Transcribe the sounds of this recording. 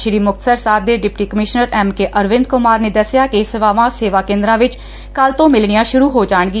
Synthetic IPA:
ʃɾiːmʊk̚t̪səɾsaːb̚d̪eːɖɪpʈiːkəmɪʃnəɾɛːmkeʔəɾʋɪ̃nd̪̚kʊmaːɾneːd̪əsɪjaːkɪsɪʋaːʋãːseːʋaːkẽːnd̪ɾãːʋɪt͡ʃ | kəlt̪õːmɪlɳijãːʃʊɾuːɦoːd͡ʒaːɳɡiː

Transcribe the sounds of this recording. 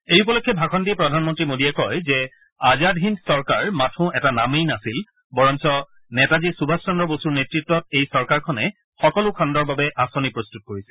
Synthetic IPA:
ejupɔlɔkʰːɛbʱakʰɔntiɛpɹɔdʱanmɔntɹimodiɛkɔjzɛ | azadʱɦinsɔɹkaɹmatʰʊ̃ɛtanamejnasil | bɔɹɔnsɔ | nɛtazisubʱastɔndɔbosuɹnetɹitːɔtejsɔɹkaɹkʰɔnɛ | xɔkɔlʊkʰandɔɹbabɛʔasonipɹostut̚koɹisɛ̥

